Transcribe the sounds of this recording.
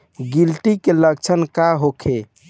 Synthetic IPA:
ɡilʈikeləkt͡ʃʰənkaɦokʰe

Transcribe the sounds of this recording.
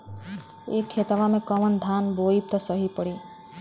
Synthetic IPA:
ekʰːet̪abamekɔmʌnd̪ʱanboip̚t̪ɔsʌɦipɔɽi

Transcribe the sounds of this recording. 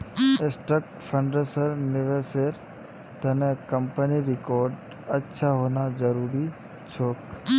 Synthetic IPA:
esʈɾək̚ʈpʰə̃ɳɖesəɾnɪʋeseɾ | t̪ɐnekəmpəniɾɪkoːɾɖ | ɐtːʃʰaɦoːnad͡ʒəɾuːɾi | t͡ʃʰoːk

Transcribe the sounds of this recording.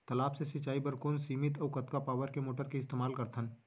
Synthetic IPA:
t̪ɐlaːpsesɐt͡ʃaːibɐɾkoːnsiːmɪt̪ɐwkɐt̪kapaːʋəɾkemoːʈəɾkeɪst̪eːmaːlkɐɾt̪ʰən

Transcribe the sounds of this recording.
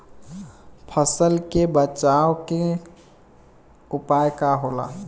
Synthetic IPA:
pʰəsəlkebət͡ʃaːwke | ʊpajkaɦoːla̰ː

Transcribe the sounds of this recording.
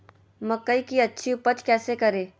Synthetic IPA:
mɐkːəikiɐtːʃʰiʊpət͡ʃʰkɛːsekɐɾẽː

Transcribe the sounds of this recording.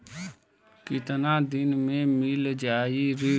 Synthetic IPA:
kɪt̪nad̪ɪnmẽmɪld͡ʒaːiɾi

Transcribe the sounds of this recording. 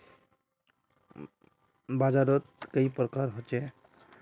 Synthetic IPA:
bad͡ʒaɾɔt̪̚kejpɾɔkaɾɦot͡ʃe

